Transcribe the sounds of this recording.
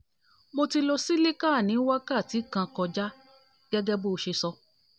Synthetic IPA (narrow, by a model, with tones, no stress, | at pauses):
mo˧ti˧lo˧si˦le˦kaː˦˨nĩ˨˦wa˦ka˦˨ti˨˦kã˧kɔ˧d͡ʒa˦ | ɡ̥ɛ˦ɡɛ˦bo˦˧ʃe˧sɔ˧